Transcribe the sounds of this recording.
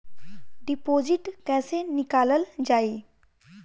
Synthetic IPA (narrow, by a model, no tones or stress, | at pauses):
ɖipoːzɪʈkɛ̃ːsenɪkaːləld͡ʒaːiː